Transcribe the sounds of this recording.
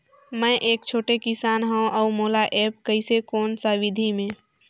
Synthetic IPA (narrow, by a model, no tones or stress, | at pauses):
mə̃ʔeːk̚t͡ʃʰoːʈekɪsaːnɦõʔəumoːlaʔeːp̚kəɪsekoːnsaʋɪd̪ʱimẽ